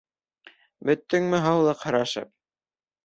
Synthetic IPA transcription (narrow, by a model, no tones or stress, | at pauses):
bɵ̆t̪ːɘŋmɘɦɑwlˠɤqhɑ̆ɾɑʃɤ̰p̚